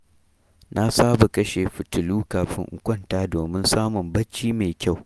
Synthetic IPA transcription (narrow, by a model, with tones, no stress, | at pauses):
nʔa˦saː˦ba˨kɐ˦ʃeː˨ɸɪ˨tʊ˨luː˦kaː˨ɸɪ̰˦ŋʔʊ̰˨˦kʷɔ˦ntaː˦doː˨mɪ˦nsaː˦mʊ˨mbɐ˦t͡ʃːiː˦meː˨kʲa˦˨w